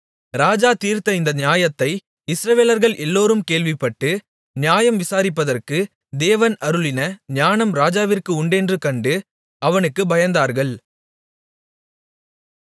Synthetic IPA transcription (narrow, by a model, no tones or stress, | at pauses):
ɾaːd͡ʒaːt̪iːɾt̪ɐɪnd̪ɐnɪjaːjɐt̪ːɐɪ | ɪsɾɐʋeːlɐɾɣɐɭʔɛlːoːɾɯmkeːlʋɪpːɐʈːɯ | nɪjaːjɐmʋɪsaːɾɪpːɐðɐrkɯ | d̪eːʋɐnɐɾɯɭɪnɐɲaːnɐmɾaːd͡ʒaːʋɪrkɯʊɳɖɛndrɯkɐɳɖɯ | ɐʋɐnɯkːɯbɐjɐnd̪aːɾɣɐɭ